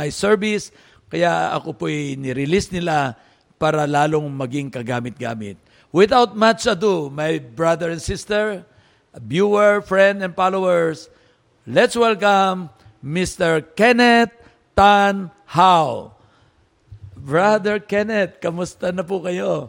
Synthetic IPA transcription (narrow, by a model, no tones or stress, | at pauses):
ajsɛɹvɪs | kɐjaɐ̰kopoʔɛjnɪɾɪlisnɪla | paːɾɐlaːloŋmɐɡiŋkɐɡaːmɪt̪̚ɡa̰ːmɪ̰t̪̚ | wɪθawt̪̚mat͡ʃɐd̪umajbɹad̪ɛɹɛnsist̪ɛɹ | bjuɛɹfɹɛ̃nd̪ɛ̃n̚falowɛɹs | lɛt̪swɛlkɐmː | ist̪ɛɹkɛnɛt̪̚ː | an | haw | bɹad̪ɛɹkɛnɛt̪̚kɐmʊst̪ɐnɐpʊkɐjo